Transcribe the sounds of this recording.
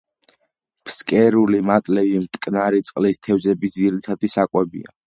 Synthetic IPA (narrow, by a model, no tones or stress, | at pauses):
pskʼɛɾulimat̪ʼlɛvimt̪ʼkʼnaɾit̪sʼqʼlist̪ʰɛvzɛbid̪ziɾit̪ʰad̪isakʼwɛbḭa̰